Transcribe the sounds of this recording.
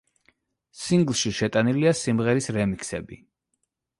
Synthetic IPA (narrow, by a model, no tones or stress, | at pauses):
siŋɡlˠʃiʃɛt̪ʼaniliasimʁɛɾisɾɛmikʰsɛbḭ